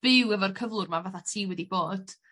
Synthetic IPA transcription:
b̥ɪwɛvɔrkʰəvlˠʊrmavaθatʰiːwɛdiboːd̥

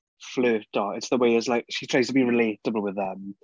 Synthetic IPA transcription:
fløːˑtɔɪtsðəweɪɪslaɪkʃitʰɹ̥aɪz̥tʰəbiɹɪleˑtəbəl̩ˠwɪðə̃m

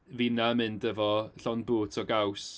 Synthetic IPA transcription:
vinaəmɨndɛvɔɬɔnbuːtʰɔɡaws

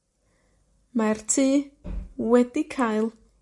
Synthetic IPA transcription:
martʰiː | wɛdikʰajlˠ

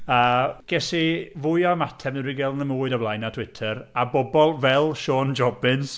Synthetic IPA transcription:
əːɡ̥ɛsivʊɨamatʰɛmnəɾiɡɛlˠnəmuːɨdablˠajnatʰw̥ɪtʰəɾabɔbɔlˠvɛlˠʃɔːnd͡ʒɔbɪns

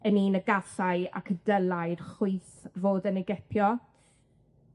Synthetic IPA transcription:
əniːnəɡasaja̰kʰədəlˠajrχuɨθvoːdənɪɡɛpʰjɔ

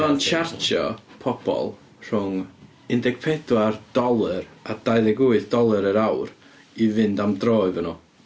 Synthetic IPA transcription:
ɔnt͡ʃʰartʰjɔ̰pʰɔb̥ɔ̰lˠ | r̥ʊŋ | ɪndɛɡ̥̚pʰɛdward̥ɔlˠɨɾad̥ajðɛɡuɨθd̥ɔlˠɨɾəɾawr | ivɨndamdroːɨvənɔ

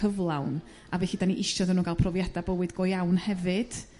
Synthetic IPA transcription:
əvlˠawn | avɛɬiːdaniʔɪʃɔdənuːɡalˠpʰrɔvjɛdabəwɨdɡɔjawnhɛvɨd̥

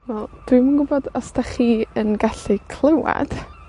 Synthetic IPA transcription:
wɛlˠd̥wimənɡʊbɔdɔstaχiːənɡaɬikʰl̥ˠəwa̰d̥

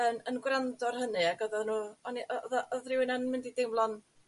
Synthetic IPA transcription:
ənənɡwrandɔrhənɨaɡɔðɔðnuːɔniʔɔɔðaʔɔðrɪwɪnannmɪndidɪmlˠɔn

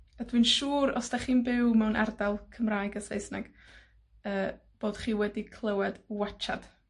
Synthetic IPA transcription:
adwɨːnʃuːɾɔ̰sd̥aχiːnbɪwmɛwnʔɛ̰rdalˠkʰəmraːjɡasejsnaɡ̥ | əː | b̥oːd̥χiːwɛdikʰlˠəwɛdwat͡ʃad̥

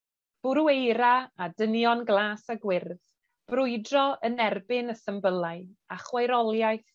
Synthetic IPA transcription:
b̥ʊɾuejɾaadənjɔnɡlˠaːsaɡwɪrð | b̥rʊɨdrɔʔənɛrbɪnəsəmbəlˠaɨaχwajɾɔlˠjajθ

